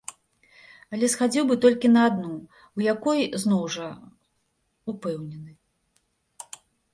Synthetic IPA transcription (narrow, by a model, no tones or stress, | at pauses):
ɐlʲɛsxad͡zʲiwbɨt̪ɔlʲkʲinɐːd̪nu | wjakɔjznɔwʐɐ | upɛwnʲɛnɨ